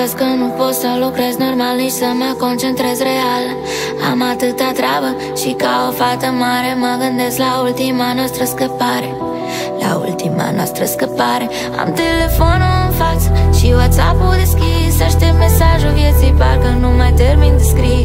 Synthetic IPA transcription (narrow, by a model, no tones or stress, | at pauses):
ɐskɐnupost̪ɐlokɾɛznoɾmalniʃsɐmakõnt͡ʃẽnt̪ɾɛzreal | a̰mat̪ɨt̪at̪ɾaβɐ | ʃikawofat̪ɐmaɾemaɣɐnd̪eslault̪imanɔst̪ɾɐskəpaɾ | la̰ṵlt̪ima̰nɔ̰st̪ɾɐskəpaɾ | a̰mt̪elefonumfasʃiwat̪sa̰pud̪əskisɐʃt̪emesaʒuviɐsipaɾkɐnũmajt̪eɾmĩnd̪ɨskɾi